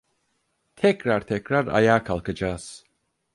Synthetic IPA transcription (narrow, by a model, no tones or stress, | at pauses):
t̪ʰɛkɾaɾt̪ʰɛkɾaɾa̰jaːkʰalˠkad͡ʒaːs